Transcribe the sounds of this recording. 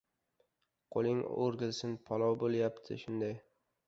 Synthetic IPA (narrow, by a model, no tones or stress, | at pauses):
qʰolˠɪŋo̰ɾɡʲɪlsɪnpʰɒlˠɒwbolˠjapt̪ʰɪ̰ʃʊnd̪aj